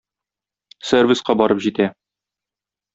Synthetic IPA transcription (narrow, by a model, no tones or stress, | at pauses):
servʲisqɑbɒɾɤpʑit̪æ